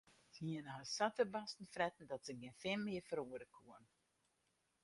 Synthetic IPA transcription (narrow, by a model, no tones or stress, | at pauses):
z̥iənɦəsatərbastn̩frɛtn̩dɔtsəɡinfɪmmɪəfəɾuədəkʰuən